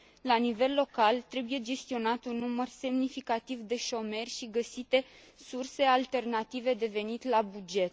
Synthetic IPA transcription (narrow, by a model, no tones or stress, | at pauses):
lanive̞lːo̞kalt̪ɾe̞buje̞d͡ʒe̞st̪io̞nat̪unːumərse̞mnifikat̪ivd̪e̞ʃo̞me̞rʲʃiɡəsit̪e̞ | surse̞alt̪e̞rnat̪ive̞d̪e̞ve̞nit̪labud͡ʒe̞t̪̚